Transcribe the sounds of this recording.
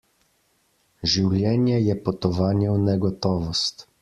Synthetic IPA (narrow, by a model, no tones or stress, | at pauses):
ʒiwlʲjɛːnjɛjɛpɔt̪ɔvaːnjɛwnɛɡɔt̪ɔːvɔst̪